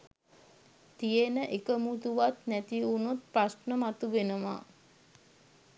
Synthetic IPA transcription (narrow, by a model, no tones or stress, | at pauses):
t̪ijenəʔekəmut̪uʋat̪næt̪iunut̪̚prasnəmat̪uʋenəʋa̰